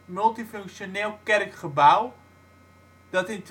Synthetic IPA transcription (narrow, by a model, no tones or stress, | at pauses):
mɵlˠtiføŋkʃjoneːlˠkɛrkχəbaw | d̥ɔtɪnt